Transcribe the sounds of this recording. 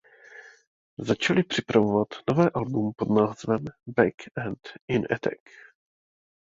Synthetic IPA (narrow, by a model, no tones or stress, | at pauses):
zat͡ʃalɪpr̝̥ɪpɾavovat̪no̞vɛːʔalbumpo̞d̪naːzvɛmbɛkɛnt̪ʔɪnʔɛ̰t̪ɛ̰k